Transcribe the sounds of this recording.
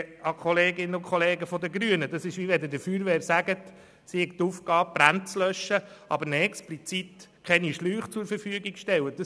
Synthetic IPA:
ɑkχɔleːɡɪnəʊkʰχɔleːɡəfɔd̪əɡɾyənədɑsɪʃʋiʋɛd̪ədəfyːɾʋɛːɾsæɡət | sihɛɡ̚t̪uːfɡɑːp̚b̥ɾænt͡slœʃːəʔɑ̰bəɾnɛksplit͡sit̪kʰɛniʃlyːχt͡sʊɾfəɾfyəɡiɡ̥ʃtɛwəd̥̪ɑ

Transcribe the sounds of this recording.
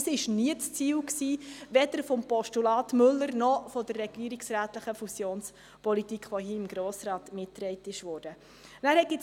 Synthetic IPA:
sɪʃniətst͡siːwksiːʋɛd̥̪əɾfɔmpɔʃtulɑːtmʏlːəɾnɔfɔdərːɛɡ̥iəɾiksræːtləχəfusjoːns | pɔlitikχʋohiːɪmɡɾoːsɾɑːtmɪtːɾɛɪtɪʃʋɔːɾd̥ə | næːɾhɛtɪt͡s

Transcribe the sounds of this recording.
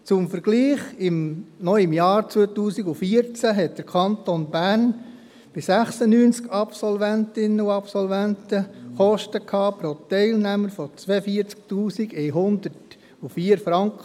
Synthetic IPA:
t͡sʊmfəɾɡ̥liːχɪmnɔɪmjɑːɾt͡sʋuːət̪uːsiɡufiəɾt͡sæɦɛt̚d̥əɾkʰɑnt̪onbæːɾn | b̥ɪsæχsənyːnt͡skɑpsɔlvæntɪnːəuɑpsɔlvæntəχɔʃtəkʰhɑːpɾotɛɪlnæməɾfɔt͡sʋɛːəfiːəɾt͡sk̚tuːsiɡɛɪɦʊnd̪əɾt | ufiːəɾfɾɑŋkχə

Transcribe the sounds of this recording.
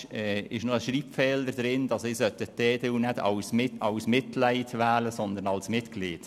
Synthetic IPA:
ɛːɪʃnoəʃriːpfɛːləɾd̥̪ɾɪndɑsɪsœt̪ətɛːd̥eunɛdɑ̰wsmɪtɑwsmɪtlæɪtʋæːləsɔnd̪ənɑlsmɪtkliːt

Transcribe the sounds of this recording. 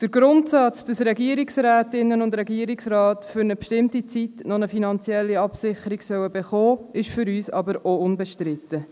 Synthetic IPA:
d̥əɾɡɾʊntsɑt͡sd̥ɑsɾɛɡiəɾiksræːtɪnːənʊndɾɛɡiəɾiksrɑːtfʏɾnəpʃtɪmtit͡sitnɔnəfinɑnt͡siɛlːiɑpsɪχəɾiɡsœwəbɛχɔːɪʃfʏɾyːsɑ̰bəɾoʊnbɛʃtɾɪtə

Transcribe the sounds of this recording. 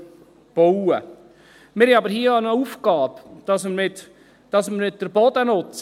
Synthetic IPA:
b̥oʊə | mɪɾhɪɑbəɾhiːəonəuːfɡ̥ɑːbd̥ɑsməmɪt̪ | d̥ɑsməɾmɪt̪̚d̥̪əɾbɔd̪ənʊt͡s

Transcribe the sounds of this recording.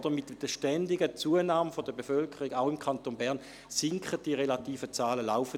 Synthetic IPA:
d̥əmɪtd̥əʃtɛndɪɡət͡suənaːməfɔd̥əbefœlkʰəʁiɡaʊɪmkʰantonbɛʁn | sɪŋkχət̚d̥iʁelatiːfət͡saːləla̰ʊfə

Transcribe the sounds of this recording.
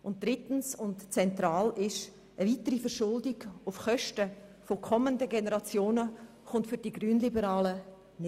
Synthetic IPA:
ʊnt̚d̥ɾɪtn̩sʊntt͡sɛntɾaːlɪʃ | əvitəɾifəɾʃʊldɪɡʊfχœʃtəfokʰɔməndəɡenəɾɑt͡sjoːnə | χʊntfʏɾdiɡryːnlibəɾɑːlə | n

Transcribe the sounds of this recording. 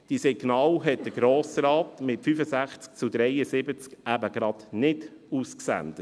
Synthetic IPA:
d̥iːsɛɡnɑːlɦɛt̚d̥əɡɾoːsɾɑːtmɪtfyfəzæχt͡sk̚t͡sʊd̪ɾɛɪəsɪbət͡skæbəɡ̥ɾɑd̥nɪdusksæ̰nd̥̪ə

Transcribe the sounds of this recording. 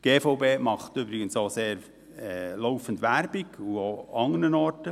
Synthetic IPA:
ɡ̥eːfɔʊbeːmɑχtybɾɪɡənsoːseːɾ | ɛloʊfəndʋæɾbɪɡuoːɑŋənənɔɾtə

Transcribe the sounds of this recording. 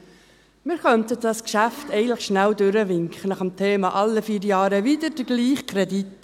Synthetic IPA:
mɪːɾkœntəɑskʃæftɛəntləχʃnældʏɾəvɪŋkχənɑχəmtʰeːmɑʔɑlːəfiːɾjɑːɾəvidəd̥əɡliːχkʰɾɛdit

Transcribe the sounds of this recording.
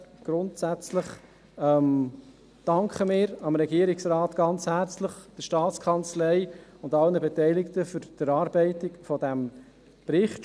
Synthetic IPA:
ɡ̥ɾʊntsæt͡sləχ | ɛm | d̥ɑŋkχəmɪːɾɑmɾɛɡiːɾɪksɾɑːtɡ̥ɑnt͡shæɾt͡sləχd̥əʃtɑːtt͡skʰɑnt͡slɛɪʊndɑlnəbɛtɛɪlɪktəfʏɾd̥əɾɑːɾbɛɪtɪkfɔdæm | pɾɪχt

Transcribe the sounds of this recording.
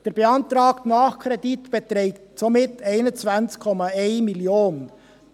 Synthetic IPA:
d̥eːɾb̥eɑntɾɑːktnɑːχkʰɾeditb̥etɾɛɪktsomɪtʰæɪnənt͡svant͡skʰɔmɑeɪnmiljoːn

